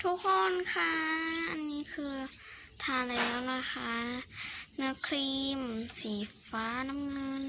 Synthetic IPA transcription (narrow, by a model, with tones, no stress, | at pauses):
t̪ʰu˦˥kʰːo˧˥˨nkʰa˧˩ʔa˧˨nːiː˧˥kʰɯː˧ | t̪ʰaː˧˩lɛː˦˨˦wlaː˧xaː˧˥˩ | nɯ˧˥kʰliː˧msiː˨˩faː˦˧˥na˧˥mŋɤ˧n